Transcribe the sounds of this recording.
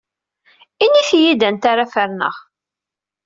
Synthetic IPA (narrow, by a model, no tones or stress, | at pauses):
iniθjid̪ənt̪aɾafəɾnə̰ʁ